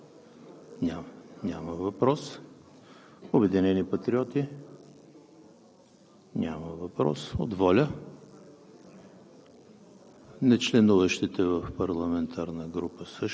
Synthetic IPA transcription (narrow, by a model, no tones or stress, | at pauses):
nʲanʲaməvɐpɾɔs | obɛd̪inɛnipɐt̪ɾiɔt̪i | nʲʔa̰məvɐpɾɔ̰so̰d̪vɔlʲə | nɛt͡ʃlɛnuvəʃt̪it̪ɛvəfpɐɾlˠɐmɛnt̪ʰaɾnəɡɾupəsəʃ